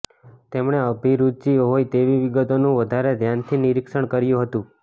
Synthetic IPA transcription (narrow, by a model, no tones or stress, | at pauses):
t̪emɳeəbʱiɾud̪̚d͡ʒiɦojt̪eʋiʋiɡət̪onũʋəd̪ʱaɾed̪ʱjant̪ʰiniɾikʃəɳkəɾjũɦət̪ũ